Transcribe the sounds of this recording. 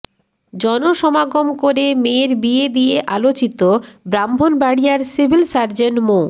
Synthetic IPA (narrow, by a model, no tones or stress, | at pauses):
d͡ʑɔnoʃɔmaɡomkoɾemeɾbied̪ieʔalot͡ɕit̪obɾambʱonbaɽijaɾsibʱilsaɾd͡ʑenmo